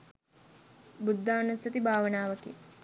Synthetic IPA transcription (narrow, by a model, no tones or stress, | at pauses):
bud̪ʱːaːnusɐt̪ibʱaːʋənaːʋəkḛ